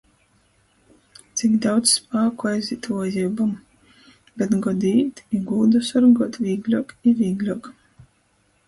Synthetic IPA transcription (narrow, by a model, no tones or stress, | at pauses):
t̪sikd̪awd̪sspaːkuajzit̪uɔjibam | bɛt̪ɡɔd̪iːt̪iɡuːd̪usaɾɡɔɔt̪vʲiːɡlʲuɔkiviːɡlʲuɔk